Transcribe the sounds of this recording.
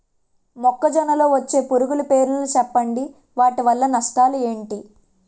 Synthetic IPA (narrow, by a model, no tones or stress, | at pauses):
mɔkːɐd͡ʒɔnɐlo̞ːʋɐt͡ʃːe̞ːpuɾuɡulupe̞ːɾnɐnut͡ʃɛpːɐɳɖi | ʋaːʈiʋɐlːɐnɐʂʈaːlue̞ːɳʈi